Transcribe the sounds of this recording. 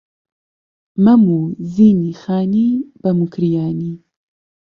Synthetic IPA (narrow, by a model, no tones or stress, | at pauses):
mɐmuːziːnixaːniːb̥ɐmukʰɾijaːniː